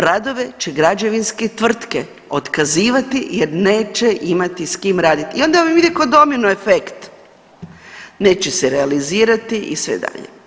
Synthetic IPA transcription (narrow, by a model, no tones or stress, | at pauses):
ɾad̪o̞ʋe̞t͡ʃeɡɾad͡ʒe̞ʋinsket̪ʋr̩t̪ke̞ | o̞t̪kaziːʋat̪ijeɾne̞ːt͡ʃe̞ʔimat̪iskimɾaːd̪it̪iio̞nd̪amiʋid̪ikod̪o̞minue̞fekt̪ | ne̞ːt͡ʃeseɾealiziːɾat̪iʔḭsʋḛd̪a̰ʎḛ